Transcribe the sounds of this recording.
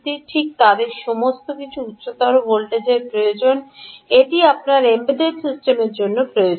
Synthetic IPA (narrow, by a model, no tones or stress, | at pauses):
t̪iʈʰik̚t̪ad̪eɾʃomost̪okit͡ɕʰuut̪ːɕot̪aɾobolʈed͡ʑeɾpɾojod͡ʑoneʈiapnaɾembid̪eɖsisʈemeɾd͡ʑonːopɾojod͡ʑ